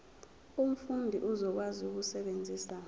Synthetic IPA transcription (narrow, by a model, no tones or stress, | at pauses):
um̩fundʱiʔuzɔk̬wazuk̬usɛɓend͡zʱiːsa